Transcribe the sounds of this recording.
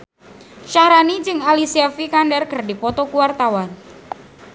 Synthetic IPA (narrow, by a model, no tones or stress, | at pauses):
ʃahɾanid͡ʒɨŋalisiafikandɛrkərdipɔt̪ɔkuwart̪awan